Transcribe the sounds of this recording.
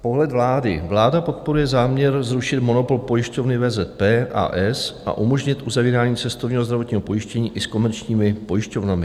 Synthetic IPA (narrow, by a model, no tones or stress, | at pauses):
po̞ɦlɛt̪vlaːdɪ̰vlaːdapo̞t̪̚po̞ɾujɛzaːmɲɛɾzɾuʃɪt̪mo̞no̞po̞lpo̞jɪʃco̞vnɪvɛːzɛt̪̚pɛːʔa̰ːʔɛsʔa̰ʔumo̞ʒɲɪt̪ʔuzaviːɾaːɲiːt͡sɛst̪ovɲiːɦozd̪ɾavo̞t̪ɲiːɦopo̞jɪʃcɛɲiːʔɪsko̞mɛɾt͡ʃɲiːmɪpo̞jɪʃco̞vnamɪ